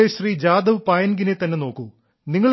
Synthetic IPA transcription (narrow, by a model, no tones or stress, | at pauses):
eɕriːd͡ʑaːd̪ɐʋpaːjɐnɡinet̪ɐnːe̞no̞ːkːu | niŋːɐɭ